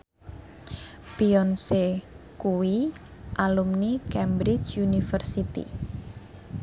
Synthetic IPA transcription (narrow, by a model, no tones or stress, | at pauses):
piɔnse | kuwi | ʔalumnikɛmbɾɪt͡ʃunifərsit̪ḭ